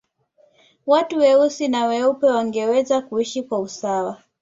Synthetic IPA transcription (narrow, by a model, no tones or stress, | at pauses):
watuwɛusinawɛupɛwaŋɡɛwɛzakuiʃikwausawa